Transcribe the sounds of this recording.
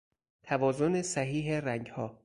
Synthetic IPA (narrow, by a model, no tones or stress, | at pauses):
t̪ʰævɒːzonesæɦiːɦeræŋɡhɒː